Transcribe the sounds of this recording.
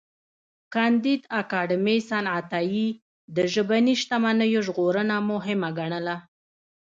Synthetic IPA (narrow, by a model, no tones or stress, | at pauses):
kɑnd̪id̪akɑɖɪmesanʕat̪ɑji | d̪əʒəbaniʃt̪amanəjoʒɣoɾənamʊɦɪmaɡaɳəla